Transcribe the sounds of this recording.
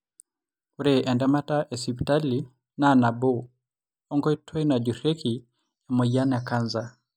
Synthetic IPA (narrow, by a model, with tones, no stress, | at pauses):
uɾeʔɛ˨nda˦ma˦taʔɛ˨si˨pi˨ta˦li | nana˨bo˦ | ɔ˦ŋɡɔ˦i˦tʰɔ˦jna˨d͡ʒu˨ɾe˦kʰi | ɛ˨mɔ˨ja˦na˨ka˦nza